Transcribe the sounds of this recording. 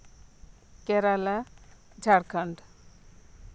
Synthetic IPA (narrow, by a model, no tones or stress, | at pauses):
keɾala | d͡ʒʱaɽkʰəɳɖ